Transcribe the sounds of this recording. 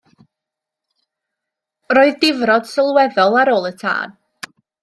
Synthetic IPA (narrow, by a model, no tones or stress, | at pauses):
roːɨðdɪvrɔd̥səlˠwɛðɔlˠaɾoːlˠətʰa̰ːn